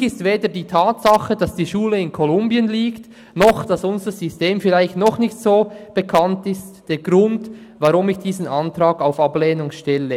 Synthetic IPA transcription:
ɪstveːdədiːtʰaːtsaχəd̥ɑsd̥iːʃuːləɪnkʰɔlʊmbjənliːkt | nɔχd̥ɑsʊnzəz̥ysteːmfɪlaɪçtnɔχnɪçtsoːb̥ekʰɑntɪstd̥eːɡ̥ɾʊnd | vaʁʊmɪçd̥iːzən̩antraːɡaʊfableːnʊŋʃtɛlə

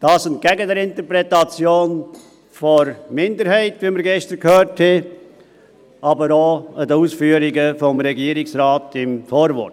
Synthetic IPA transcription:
d̥ɑːsɛnt̚ɡ̥æɡəd̪ɛɾɪnt̪əɾpɾɛtɑt͡sjoːn | fɔɾmɪndəɾhɛɪtʋiməɾɡɛʃtəɾkhøːɾthɛ | ɑbəɾoəd̪əuːsfyːəɾɪɡəfɔmɾɛɡiəɾɪksɾɑːt̪ɪmfoːɾvɔ̰ɾt

